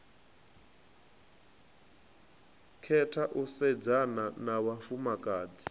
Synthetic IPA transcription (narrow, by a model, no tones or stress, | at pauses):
kʰɛtʰaʔusɛd͡zananawafumakʼaːd͡zi